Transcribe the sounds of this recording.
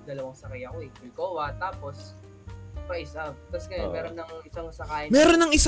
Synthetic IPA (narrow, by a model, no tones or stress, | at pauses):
d̪ɐlɐwaŋsɐkɐjɐkoɪkɪlkoːwɐt̪aːpo̞s | pɐʔɪsʔab̚t̪ɐskɐjmɛːɾonːɐŋɪsaŋsɐkaːɪmɛːɾonɐŋɪs